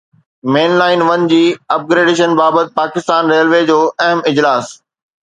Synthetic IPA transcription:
meːnlaːɪnʋɐnd͡ʑiːɐp̚ɡɾeːɖeʃ̬ənbaːbət̪̚paːkɪst̪aːnɾeːlʋeːd͡ʑoːɐɦəmɪd͡ʑlaːs

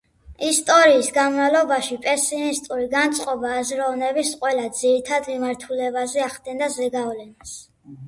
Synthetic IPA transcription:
ist̪ʼɔɾiːsɡanvalˠɔbaʃipʼɛsinist̪ʼuɾiɡant̪sʼqʼɔbaːzɾɔvnɛbisqʼwɛlad̪z̥iɾit̪ʰad̪mimaɾt̪ʰulɛbazɛaχd̪ɛnd̪azɛɡavlɛnas

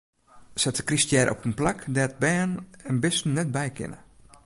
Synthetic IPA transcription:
sɛtə̥kristjɛɾʔɔ̰pənplakdɛt̚bɛːnɛnbɪstn̩nɛt̚bɛjkʰɪ̰nə̰

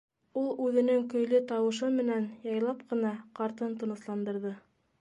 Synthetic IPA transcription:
ulˠʉðɘ̆nɘŋkɵ̆jlɘt̪ɑwɤ̆ʃɤmɘ̆nænjɑjlˠɑpqɤ̆nɑqɑɾt̪ɤnt̪ŏnɤ̆slˠɑnd̪ɤ̆ɾðɤ

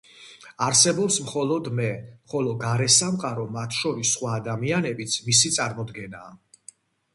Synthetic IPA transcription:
aɾsɛbɔpsmχɔlˠɔd̪mɛχɔlɔɡaɾɛsamqʼaɾɔmat̪ʰʃɔɾisːχwaːd̪amianɛbit̪sʰmisit̪sʼaɾmɔd̪ɡɛnaː

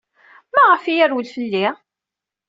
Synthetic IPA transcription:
mæʁəfijæɾwəlfəlːi

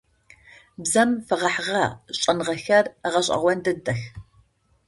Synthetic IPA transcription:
bzɐmfɐʁɐħʁɐɕʼɐnʁɐxɐrʁɐɕ̬ʼɐ̰ʁʷɔndɐdɐx

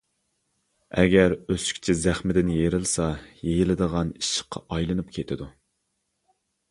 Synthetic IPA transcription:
ɛɡʲæɾøsy̥kʲt͡ʃʰɛzæχmɪd̪ɪnjeɾɪlˠsɑjejɪlɨd̪əʁɑniʃɪ̥qʰːɑ̰ʔɑjlˠɨnupkʲʰet̪ʰɪd̪u

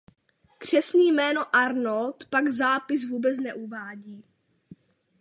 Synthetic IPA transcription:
kr̝̥ɛsniːjmɛːnoʔaɾnolt̪paɡzaːpɪsvuːbɛt͡snɛʔuvaːɟiː

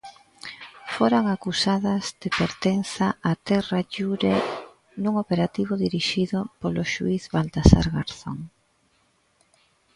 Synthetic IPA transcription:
foɾaŋakusaðɐzðepeɾt̪enθaat̪ɛraʎuɾe | nuŋopeɾat̪iβ̞ʊðiɾiʃiðʊpoloʃuiθβalt̪asa̰ɾɣa̰ɾθo̰ŋ

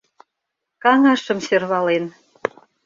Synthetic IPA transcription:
kɑŋɑʃə̆msørβɑlen

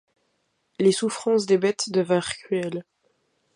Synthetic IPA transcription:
lesufχɑ̃sd̪ebɛt̪d̪əvɛ̃ʁkχɥɛl

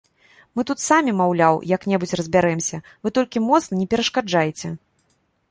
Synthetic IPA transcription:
mɨt̪ut̪samʲimawlʲawjɐknʲɛbut͡sʲrɐzʲbʲaɾɛmsʲɐ | vɨt̪ɔlʲkʲimɔt̪snɐnʲɛpʲɛɾɐʂkad͡ʐajɛt͡sʲɛ

